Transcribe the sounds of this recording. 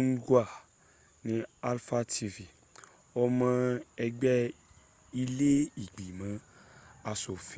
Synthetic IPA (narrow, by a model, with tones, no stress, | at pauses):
n̩˦ɡu˦a˨ | nĩ˦a˦lfa˦ti˧vi˨ | ɔ˧mã˧ɛ˧ɡ͡bɛ˦ | i˧le˦i˨ɡ͡bi˨mã˨˦ | a˧so˨fi˦